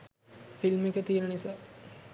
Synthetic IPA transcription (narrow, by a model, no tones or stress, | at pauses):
filmekət̪iːɾənisaː